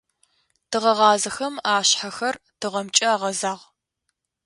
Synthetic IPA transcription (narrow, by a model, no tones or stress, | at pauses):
tɨʁɐʁɑːzɐxɐmaːɕħaxɐrtʰɨʁɐmt͡ʃʼɐaːʁɐzaːʁ